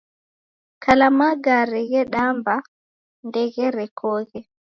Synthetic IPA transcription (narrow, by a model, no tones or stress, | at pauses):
kʰalamaɡaɾɛɡɛɗamba | ndɛɡɛɾɛkʰɔːɣɛ